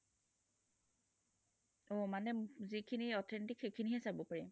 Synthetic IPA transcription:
ɔmanɛzikʰiniɔtʰɛnitikxekʰiniɦɛsabɔpaɹɛ

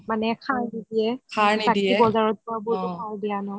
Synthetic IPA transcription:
manɛkʰaɹnidiɛkʰaɹnbadkiɛibɔzaɹɔt̚pɔabʊtʊkʰaɹdijanɔ

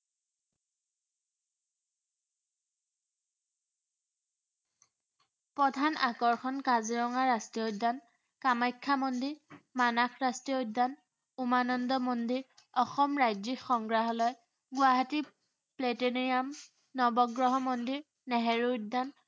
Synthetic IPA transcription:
pɹɔdʱanakɔɹxʰɔnkaziɹɔŋaɹastiodːan | kamajkʰːamɔndiɹmanakʰɹastiodːan | umanɔndɔmɔndiɹ | ɔxɔmɹajzikxɔŋɡɹaɦɔlɔj | ɡʊaɦati | pleteniam | nɔbɔɡɹɔɦɔmɔndiɹ | nɛɦɛɹudan

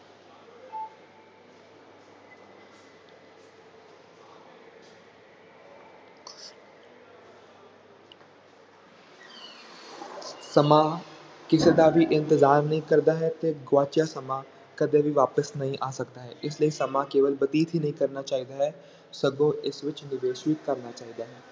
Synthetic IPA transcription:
sɐma | kɪsed̪abʱiʔɪ̃nt̪ɪzaːɾnɐɦĩkɐɾd̪aɦɛt̪eɡwaːt͡ʃjasɐma | kɐd̪ebʱiʋaːpəsnɐɦĩʔaːsɐkd̪aɦɛ̰ːʔɪsliesɐmakeːʋəlbɐt̪iːt̪ɦinɐɦĩkɐɾnat͡ʃaːɦid̪aɦɛː | sɐɡõɪsʋɪt͡ʃnɪʋeːʃɪt̪̚kɐɾnat͡ʃaːɦid̪aɦɛː

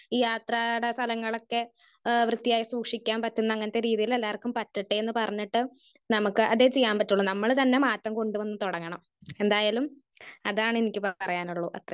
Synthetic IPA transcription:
iːjaːt̪raːɽest̪ʰɐlɐŋːɐɭo̞kːe̞ | ʋrɨt̪ːijaːjisuːkʂikʲːaːnpɐtːunːɐːŋːɐnɐt̪ːeɾiːðijile̞lːaːrkːumpɐtːiʈːɨenːɨpɐrɐɲːiʈːɨ | nɐmukːɨʔɐðeːt͡ɕe̞jːaːmpɐtːuɭːunɐmːɐɭt̪ɐnːe̞maːtːɐmko̞ɳɖuʋɐnːɨt̪oɽɐŋːɐɳɐm | end̪aːjaːlum | ɐðaːɳɨenikʲːɨprɐjaːnuɭːuʔɐ̰t̪rɐ

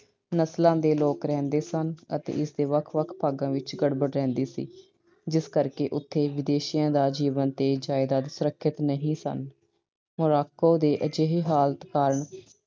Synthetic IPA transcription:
nəslãːd̪eːloːkɾɛ̃ːnd̪eːsənə̰t̪ḛːɪsd̪eːʋəkʰʋəkʰpaːɡãːʋɪt͡ʃɡəɽbəɽɾɛ̃ːnd̪eːsḭː | d͡ʒɪskəɾkeːʔʊt̪ʰːeːʋɪd̪eːʃijãːd̪aːd͡ʒiːʋənt̪eːd͡ʒaːɪd̪aːd̪sʊɾəkʰːɪt̪nəɦĩːsə̰n | mʊɾaːkoːd̪eːʔəd͡ʒeɦiːɦaːlt̪kaːɾəɳ

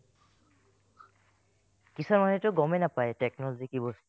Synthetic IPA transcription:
kisɔɹmanɛtʊɡɔmɛnapajtɛk̚nɔlɔzikibɔs

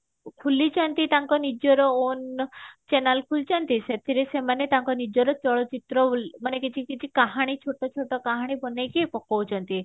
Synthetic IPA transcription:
kʰulit͡ʃʰɔnt̪it̪aŋkɔnid͡ʒɔɾɔont͡ʃɛnalkʰult͡ʃʰɔnt̪iset̪ʰiɾesemanet̪aŋkɔnid͡ʒɔɾɔt͡ʃɔɭɔt͡ʃit̪ɾɔmanekit͡ʃʰikit͡ʃʰikaɦaɽ̃it͡ʃʰoʈɔt͡ʃʰoʈɔkaɦaɽ̃ibɔnajkepɔkɔwt͡ʃʰɔnt̪i

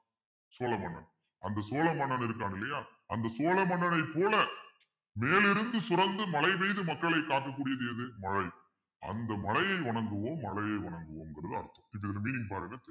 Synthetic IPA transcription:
soːlɐmɐɳːɐ̰n | ʔɐnd̪ɐsoːlɐmɐɳɐnɪɾɯkːaːnɪlːɐjaː | ʔɐnd̪ɐsoːlɐmɐɳːɐnɐɪpːoːlɐ | meːlɪɾɯnd̪ɯsʊɾɐnd̪ɯmɐlɐɪʋɐɪðɯmɐkːɐɭɐɪkːaːʈ̚kɐk̬ːuːɽɪjɐðɯjɐðɯmɐɻɐɪ | ʔɐ̰nd̪ɐmɐlɐjɐɪʋɐɳɐŋɡɯʋoːmːɐɭɐjɐɪʋɐɳɐŋɡɯʋoːmnɡɐɾɐðɯɐ̰ɾɯt̪ːɐ̥mɪpːɐɪðɐlɐmiːnɪŋɡpaːɾɯŋɡɐt̪

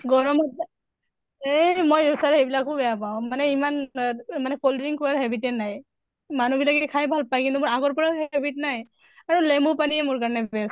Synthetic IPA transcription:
ɡɔɹɔmɔ | emojusaɹejbilakubɛjap̬aʊ̃manɛimanmanɛkoldbiŋkɔaɦebitɛnaj | manubilakikʰajbʱalpajkint̪umʊɹaɡɔɹpɔɹaɦebitnaj | aɹulemupaniɛmʊɹk̬aɹnɛbɛs

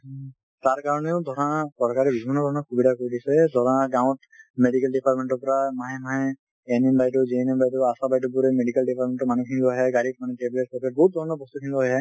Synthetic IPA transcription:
taɹkaɹɔneʊdʱɔɹɔnsɔɹkaɹɛbibʱinːɔdʱɔɹɔnakʰubidʱakoɹidisɛdʱɔɹɔaɡaʊ̃t | meɖikɛlɖipaɹʈmenʈɔpɔɹamaɦɛmaɦɛ̃ | enenbajt̬ɔziɛnembajtɔasabajtɔbuɾɛmeɖikalɖipaɹmẽnʈɔmanukʰinibɔɦɛɡaɾit̚manɛʈeblet̚sɔkɛt̚bɔɦut̪̚dʱɔɹɔnɔbɔst̪ukʰinibɔɦɔjɦɛ

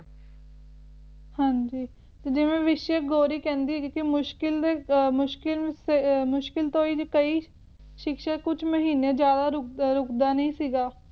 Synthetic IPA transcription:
hãːɲd͡ʒiː | t̪eːd͡ʒɪʋẽːʋɪʃeɡoːɾiːkɛ̃ːnd̪iːɛːkɪmʊʃkɪld̪eːmʊʃkɪlsemʊʃkɪlt̪õːiːd͡ʒkəiː | ʃɪkʃaːkʊt͡ʃʰməɦiːnẽːd͡ʒjaːd̪aːɾʊɾʊkd̪aːnəĩːsiːɡaː

